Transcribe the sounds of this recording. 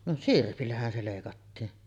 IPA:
no sirpilːæhæn se leˑikɑtːiːn

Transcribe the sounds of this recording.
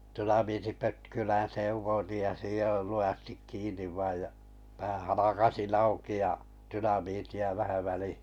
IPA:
tynɑmiːtipøtkylæn seʋˑoĭtij jɑ sijoil luj̆ɑstik kiːnˑiʋ ʋɑij jɑ pæˑ hɑlɑkɑsin ɑuki jɑ tynɑmitiɑ ʋæhæ ʋælihi̥

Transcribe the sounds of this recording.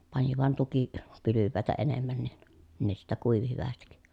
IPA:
pɑni ʋɑn tuki pylyʋːæˑetæ enemːæn nin ne sitːæ kuiʋi hyʋæstik

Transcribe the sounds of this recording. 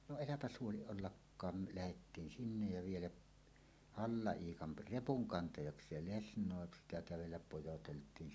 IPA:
no elæpæs huoliʔ ʔolːɑkːɑːm me læhetːiːn sinːej jɑ ʋielæʔ hɑlːɑiːkɑn repuŋkɑntɑjɑksˑeːl lesnˑoˑe sitæ kæʋelːæp pojoteltˑiːn

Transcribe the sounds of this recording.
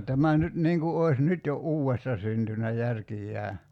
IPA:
tæmæ nyt niːŋ ku oi̞s nyt jo uːwestɑ syntynæ jærkijːæː

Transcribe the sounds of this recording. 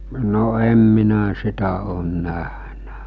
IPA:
no em minæ sitæ oːn næhnæ

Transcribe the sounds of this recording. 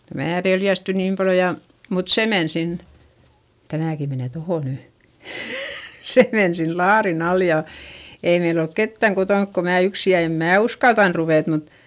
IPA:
jɑ mæː peljæsty niːm pɑljo jɑ mut se men sin tæmæˑki meneˑ toho ny se men sin lɑːrin ɑl jɑ ei meil olk ketːæŋ kotonk ko mæː yksi jɑ em mæː uskɑltɑn ruʋeˑt mut

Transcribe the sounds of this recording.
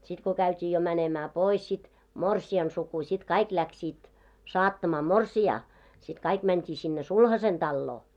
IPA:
sit ko kæytʲiː jo mænemæː pois sit morsiɑn suku sʲit kɑik læksiːt sɑːtːɑmɑː morsiɑː sit kɑik mæntʲiː sinːe sulhɑsen d̥ɑlːoː

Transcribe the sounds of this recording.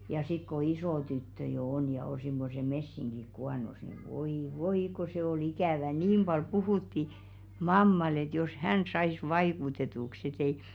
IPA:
jɑ sik ko isoˑ tytːø jo on jɑ o simːose mesːiŋɡ̊ik kuɑnos ni ʋoi ʋoi ko se ol ikæˑʋæ niːm b̥ɑl puhuˑtːi mɑmːɑl et jos hæn sɑis ʋɑikutetuks et ei

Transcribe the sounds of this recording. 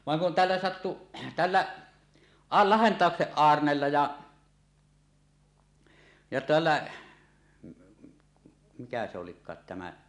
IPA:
ʋɑŋ kun tælːæ sɑtːu tælːæ ɑ lɑhentɑˑokseʔ ʔɑːrnelːɑ jɑ jɑ tælːæ mikæ se olikˑɑːt tæmæ

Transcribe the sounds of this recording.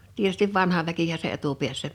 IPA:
tietystiʋ ʋɑnhɑ ʋækihæ se etupiæsːæ

